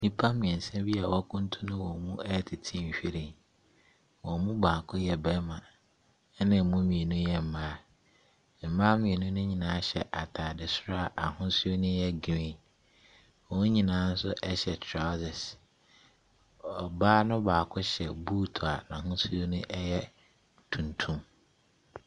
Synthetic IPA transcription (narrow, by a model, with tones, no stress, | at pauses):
nĩ˦pʰa˦mĩ˨ɛ̃˨n̩˨sɛ̃˦bi˦a˨wɔ˦kʰʊ̃˦n̩˦tʰʊ̃˦nʊ̃˦wɔ̃˨mũ˦ɛ˦tʰɪ˨tʰĩ˦˨ɕᶣi˦ɾĩ˨n | wɔ̃˨mũ˦baː˨kʰʊ˦jɛ˨bɛ˦mã˨˦ | nɪ̃˨mũ˦mĩ˨e˨nʊ̃˦jɛ˨m̩˨mãː˦˨ | m̩˨mãː˦mĩ˨e˨nʊ̃˦nʊ̃˦ɲĩ˨nãː˨˦a˦ɕɛ˨ʔa˨tʰaː˨dɪ˨sʊ˦ɾa˦˨ʔa˨hʊ̃˦sʊ˦o˦nʊ̃˦jɛ˦ɡi˨ɾĩ˦ | ɔ˨wʊ̃˦ɲĩ˨nãː˨˦n̩˦sʊ˦ʔɛ˦ɕɛ˨tʰɾa˦zɪ˨s | ɔ˨baː˦nʊ̃˦baː˨kʰʊ˦ɕɛ˨buː˦tʰɔ˨a˨nã˨ɦʊ̃˦su˦o˦nʊ̃˦ʔɛ˦jɛ˦ | tʰũ˨ntʰũ˦m